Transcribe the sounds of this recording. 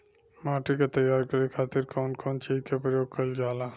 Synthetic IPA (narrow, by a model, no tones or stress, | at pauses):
maːʈiket̪əjaːɾkəɾikʰaːt̪ɪɾkʰoːnkʰoːnt͡ʃid͡ʒkepɾəjoːɡ̚kəld͡ʒaːla